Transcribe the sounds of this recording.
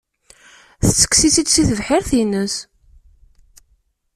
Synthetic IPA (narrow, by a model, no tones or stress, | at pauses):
θət͡sːə̥ksisid̪siθəvħɪɾθinəs